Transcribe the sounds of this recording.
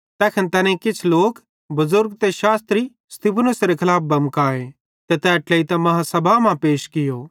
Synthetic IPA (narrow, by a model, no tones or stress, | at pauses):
t̪ɛːkʰɛnt̪ɛːnɛ̃kɪt͡ʃʰloːk | bʊzʊɾɡ̚t̪eʃaːst̪ɾi | st̪iːpʰnʊsɾekʰɐlaːp̚ʰbɐmkaːe | t̪et̪ɛːʈleːit̪ɐ̃mɐɦasɐbʱamãpeːʃkɪjoː